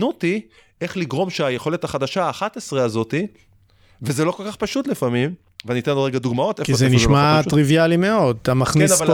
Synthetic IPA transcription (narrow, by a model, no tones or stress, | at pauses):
nuti | e̞χliɡʁo̞mʃeajeχo̞le̞t̪haχad̪aʃaaːχat̪esʁeazo̞t̪i | vezelo̞ko̞lkaχpaʃut̪lifamim | veaninit̪enloʁeɡad̪uɡmao̞t̪efkizeniʃmatʁivjalimeo̞d̚tamaχnenava